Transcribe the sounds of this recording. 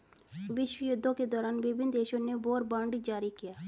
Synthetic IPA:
ʋɪʃwəjʊd̪ʱːõːked̪ɔːɾaːnʋɪbʱɪnd̪eːʃõːnebɔːɾbãːɳɖid͡ʒaːɾikɪjaː

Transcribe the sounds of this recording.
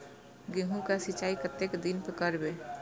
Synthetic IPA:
ɡeɦũkasɪt͡ʃaːikət̪ːekd̪inpəkəɾbe

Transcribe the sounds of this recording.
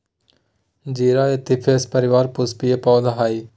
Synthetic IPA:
d͡ʒiːɾaːet̪ɪpʰeːspəɾɪʋaːɾpʊspijepɔːd̪aɦaːiː

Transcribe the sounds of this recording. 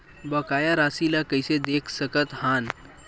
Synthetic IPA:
bəkajaɾasilakəjsed̪ekʰsəkət̪han

